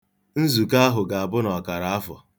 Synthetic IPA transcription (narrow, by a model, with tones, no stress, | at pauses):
n̩˦zu˨ka˦a˦ɦʊ˨ɡa˨a˨bʊ˦nɔ˨ka˨ɾa˨a˦fɔ̰˨